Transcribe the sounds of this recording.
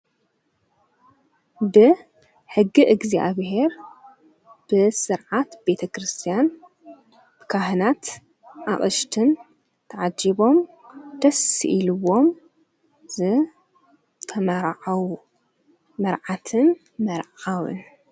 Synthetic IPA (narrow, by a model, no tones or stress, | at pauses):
bɨ | ħɨɡːiʔɨɡzia̰βhe̞ɾ | b̥ɨsɨɾʕat̪be̞t̪ʰɐkɾɨst̪ʰijan | b̥ɨkʰaɦɨnat̪ | ʔaʔʼɐʃt̪ʰɨn | t̪ʰɐʕad͡ʒiβo̞m | d̪̥ɐsɨ̰ʔilɨwo̞m | zɨ | t̪ʰɐmɐɾʕawu | mɐɾʕat̪ʰɨn | mɐɾʕawɨ̰n